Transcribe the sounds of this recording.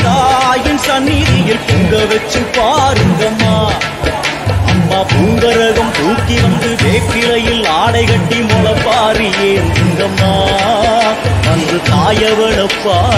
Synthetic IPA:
t̪aːjɪnsɐnːɪðɪjɪlpʊŋɡɐʋɛt͡ʃːɯpːaːɾɯŋɡɐmːaː | ɐmːaːpuŋɡɐɾɐɣɐmt̪uːkːiʋɐnd̪ɯpeːkːɪlɐjɪlaːɽɐɪɣɐʈːimʊlɐpːaːɾijeːndɯŋɡɐmːaː | ɐndrɯt̪aːjɐʋɛɭɐpːaː

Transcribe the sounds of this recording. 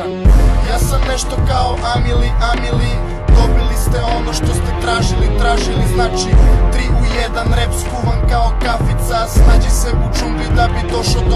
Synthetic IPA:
jaːsamne̞ʃt̪o̞kaoʔamiliʔamili | d̪o̞bilist̪e̞o̞no̞ʃt̪o̞st̪e̞t̪ɾaːʒilit̪ɾaːʒiliznaːt͡ʃit̪ɾiʔujed̪anɾepskuʋankao̞kafit̪sasnad͡ʑiseut͡ʃud̪id̪abid̪o̞ʃod̪

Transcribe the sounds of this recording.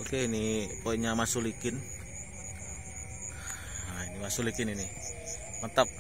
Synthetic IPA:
okeinipoiɲamasulikɪn | ainimasulikɪnini | mət̪əp̚

